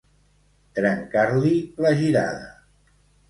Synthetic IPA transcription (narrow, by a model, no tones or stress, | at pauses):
t̪ɾəŋkaɾliləʒiɾa̰ðə